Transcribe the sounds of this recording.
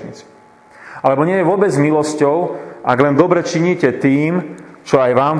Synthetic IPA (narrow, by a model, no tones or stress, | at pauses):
ɲḭt͡si̥ | alɛbɔɲɪɛjɛʋʊɔbɛd͡zmilɔscɔʊʔaɡlɛnd̪ɔbɾɛt͡ʃiɲiːcɛt̪iːmt͡ʃɔajʋaːm